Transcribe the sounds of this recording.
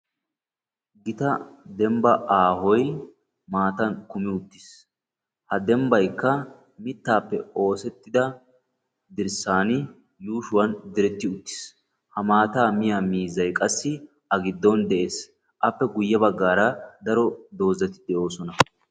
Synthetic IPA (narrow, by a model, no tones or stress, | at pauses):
ɡɪt̪ɐd̪ɛmbɐaːhɔj | maːt̪ɐnkʊmɪʊt̪ːɪs | hɐd̪ɛmbɐjkːɐ | mɪt̪ːaːpːɛo̞ːsɛt̪ːɪd̪ɐ | d̪ɪɾsaːnɪ | juːʃʊwɐnd̪ɪɾɛt̪ːɪʊt̪ːɪ̥s | hɐmaːt̪aːmɪjamiːzɐjkʼɐsːɪ | ɐɡɪd̪ːɔnd̪ɛʔe̞ːs | ʔɐpːɛɡʊjːɐbɐɡːaːɾɐd̪ɐɾɔd̪o̞ːzɐt̪ɪd̪ɛʔo̞ːsɔnɐ